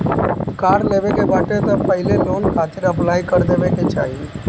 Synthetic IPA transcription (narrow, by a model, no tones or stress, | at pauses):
kaːɾleːʋekebaːʈet̪əpəɦɪleloːnkʰaːt̪ɪɾəplaːikəɾd̪eːʋeket͡ʃa̰ːɦie